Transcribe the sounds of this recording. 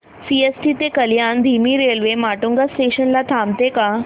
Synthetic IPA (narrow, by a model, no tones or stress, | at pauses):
siesʈit̪ekəljand̪ʱimiːɾelʋemaʈuŋɡasʈeɕənlat̪ʰamt̪eka